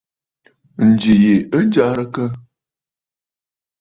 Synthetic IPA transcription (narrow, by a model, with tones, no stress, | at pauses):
n̩˨d͡ʒi˨je˨ə˦n˦d͡ʒa˦ɾə˦kə˦